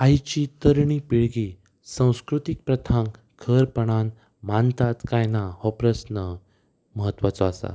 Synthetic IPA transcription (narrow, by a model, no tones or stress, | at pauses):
ajt͡ɕiːt̪əɾɳipiɭɡi | sãw̃skɾut̪ik̚pɾət̪ʰãŋk | kʰəɾpəɳ̃an | mant̪at̪kajnahɔpɾəsnə | məɦət̪ːʋat͡sɔasa̰